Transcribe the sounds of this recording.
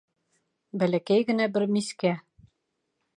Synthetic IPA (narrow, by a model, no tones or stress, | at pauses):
bælækæjɡɘ̆næbɘɾmiskæ